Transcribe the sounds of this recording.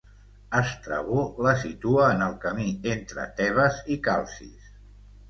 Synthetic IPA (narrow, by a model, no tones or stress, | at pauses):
əst̪ɾə̰βuləsit̪uəːnəlˠkəmient̪ɾə̰t̪ɛβ̞əzikalˠsḭs